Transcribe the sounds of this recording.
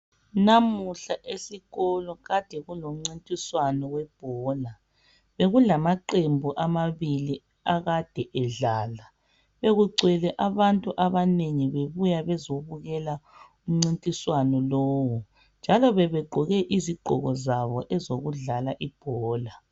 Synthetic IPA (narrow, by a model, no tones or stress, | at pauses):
namuɬaʔesiɣɔlɔɣad̥ʱɛɣulom̩ŋ͡ǀintʼiswanɔwɛb̥ʱɔːla | βeɣulamaǃembʱuʔamaβili | aɣad̥ʱɛʔɛɮaːla | βeɣuɡ͡ǀʱwɛlɛʔaβantʼuʔaβaneŋiβeβujaβɛzoβuɣɛla | um̩ŋ͡ǀintʼiswanɔlɔːwɔ | nd͡ʒʱalɔβɛβɛɡ͡ǃʱɔɣɛʔiziɡ͡ǃ̥ʱɔ̰ɣɔzaβɔʔɛzoɣuɮalaʔib̥ʱɔːla